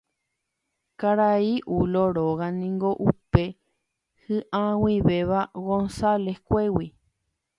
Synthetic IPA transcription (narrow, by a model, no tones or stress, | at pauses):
kaɾaiʔuloɾoɣanĩŋɡoʔupe | hɨʔãwiʋeʋaɣõnsalehkʷewi